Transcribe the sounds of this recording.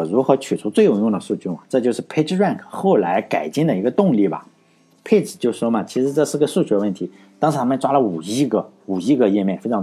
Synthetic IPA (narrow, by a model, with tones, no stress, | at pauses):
ɔ˨˩ɻu˧˥xɤ˧˥t͡ɕʰy˨˩ʈ͡ʂʰu˧˥t͡swe˥˩ɪjʊ˨˩jʊ˥˩ŋd̪ə˩ʂu˥˧t͡ɕʰy˥˩ɐ˩ʈ͡ʂɤ˥˧t͡ɕjʊʂɻ̩˥˩pʰe˥˧ɪʈ͡ʂɹa˥˩nkʰxo˥˩ʊla˧˥ɪka˨˩ɪt͡ɕi˥˩ŋd̪ə˩i˧˥ɡə˧t̪ʊ˥˧ŋli˥˩bɐ̰˩ | pʰe˥˩ʈ͡ʂ̩˨˩t͡ɕjo˥˧ʊʂwɔ˥mɐ˨t͡ɕʰi˧˥ʂɻ̩˧˥ʈ͡ʂɤ˥˧ʂɻ̩˥˩˧ɡə˧ʂu˥˧t͡ɕʰy˥ə˧wə˥˩nt̪ʰi˧˥ | t̪ɑ˥ŋʂʰɻ̩˧t̪ʰa˥mə˧˨nʈ͡ʂwa˥lə˨u˨˩i˥ɡə˧u˨˩i˧˥ɡə˧jɛ˥˧mjɛ˥˩nfe˥ɪ˧˥